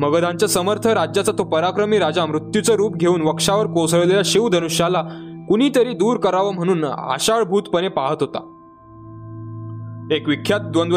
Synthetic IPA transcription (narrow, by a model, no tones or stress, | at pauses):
məɡəd̪ʱãɲt͡ɕjasəməɾt̪ʰəɾad͡ʑjat͡sat̪opəɾakɾəmiːɾad͡zamɾut̪jut͡səɾuːpɡʱeuːnʋəkʂaʋəɾkosɭəleljaɕeʋd̪ʱənuɕjalakuɽ̃iːt̪əɾiːd̪uːɾkəɾaʋəm̤əɽ̃uːna̰ɕaɭbʱuːt̪pənepaɦət̪ɦot̪a̰ | ekʋikʰjat̪̚d̪ʋond̪